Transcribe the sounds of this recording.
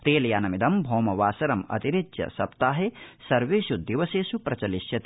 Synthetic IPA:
eːlɐjaːnɐmid̪ɐmbʱoːmɐʋaːsɐɾɐmɐ̰t̪iɾit̪ʃjɐ̰sɐpt̪aːɦesɐɾʋeːʃud̪iʋɐseːsupɾɐt͡ʃɐliʃjɐt̪

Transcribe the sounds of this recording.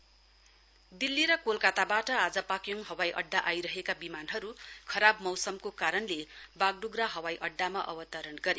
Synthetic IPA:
d̪ilːiɾʌkolkat̪abaʈʌad͡zʌpakjoŋɦʌwajʔʌɖːaʔajɾʌɦekabimanɦʌɾukʰʌɾabmʌwsʌmkokaɾʌnlebaɡ̚ɖuɡraɦʌwajʔʌɖːamaʔʌ̰bʌt̪ʌɾʌnɡʌɾe

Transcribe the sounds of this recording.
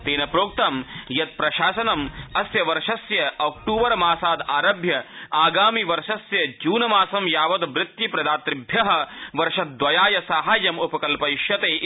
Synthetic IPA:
t̪eːnɐpɾoːk̚t̪ɐmjɐt̪̚pɾɐʃaːsɐnɐmɐsjɐʋɐɾʂɐsjɐɐːkʈuːʋɐɾmaːsaːd̪aːɾɐbʱjɐaːɡaːmiʋɐɾʃɐsjɐd͡ʒuːnɐmaːsɐmjaːʋɐd̪ʋɾɪt̪jipɾɐd̪aːt̪ɾɪbʱjɐɦɐ̆ʋɐɾʃɐt̪̚d̪ʋɐjaːjɐsaːɦaːjɐmupɐkɐlpɐʃjɐt̪eː

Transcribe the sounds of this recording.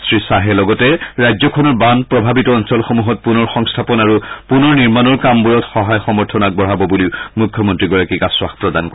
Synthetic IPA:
sɹisaɦɛlɔɡɔtɛɹajzɔkʰɔnɔɹbanpɹɔbʱabitɔɔnsɔlxomuɦɔt̚punɔɹxɔŋstʰapɔnaɹupunɔɹniɹmanɔɹkambuɹɔtxɔɦajxɔmɔɹtʰɔnak̚bɔɦabɔbuliʊmukʰːjɔmɔntɹiɡɔɹakikaswaxpɹɔdankɔ

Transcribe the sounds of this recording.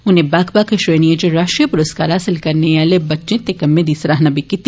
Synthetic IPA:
ʊnɦẽbaːkbaːkeʃɾeːniẽd͡ʒoɾaːʃʈɾijapʊɾəskaːɾɦaːsɪlkɐɾneʋaːlebɐtːʃẽt̪ekɐmːẽd̪iːsɾaɦnabʱikit̪

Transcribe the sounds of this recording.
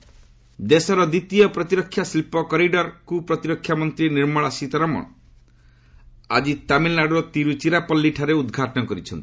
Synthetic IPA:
d̪esɔɾɔd̪it̪ijɔpɾɔt̪iɾɔkʰːjasilpɔkɔɾiɖɔɾkupɾɔt̪iɾɔkʰːjamɔnt̪ɾiniɾmɔɭasit̪ɔɾɔmɔ̰ɳ | ad͡ʒit̪amillːaɖɾɔt̪iɾut͡ʃiɾapɔlːiʈʰaɾeud̪ɡʱaʈɔnɔkɔɾit͡ʃʰɔnt̪i̥

